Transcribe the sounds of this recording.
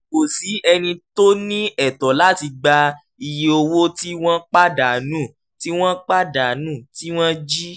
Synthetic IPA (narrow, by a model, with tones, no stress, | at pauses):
ko˨si˨˦ɛ˧nĩ˧to˦nĩ˦ɛ˦˨tɔ˨la˦ti˧ɡ͡ba˧ | i˨je˧o˧wo˦ti˦w̃ɔ̃˦k͡pa˦da˨nũː˦˨ | ti˦w̃ɔ̃˦k͡pa˦da˨˦nũ˦˨ti˦w̃ɔ̃˦d͡ʒi˦